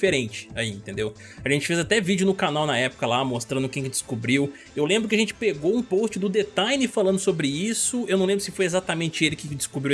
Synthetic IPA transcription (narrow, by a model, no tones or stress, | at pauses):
feɾẽnt͡ʃɪ̥aiẽt̪ẽnd̪ew | aʒẽnt͡ʃɪ̥fezat̪ɛvid͡ʒʊnʊkanawnɐɛpʊ̥kɐlamost̪ɾɐ̃ʊkẽj̃kɪd͡ʒɪskubɾiw | ewlẽmbɾʊkɪɐʒẽnt͡ʃɪ̥peɡowũpost͡ʃɪd̪ʊd̪et̪ajnɪfalɐ̃nd̪ʊsobɾɪisʊewnɐ̃ẽbɾʊsɪfojezat̪ɐmẽnt͡ʃɪelɪkɪd͡ʒɪskubɾi